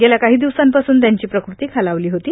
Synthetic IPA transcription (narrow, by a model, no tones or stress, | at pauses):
ɡelakaɦiːd̪iʋsampasuːnt̪̬jaɲt͡ɕiːpɾəkɾut̪iːkʰalaʋliːɦot̪iː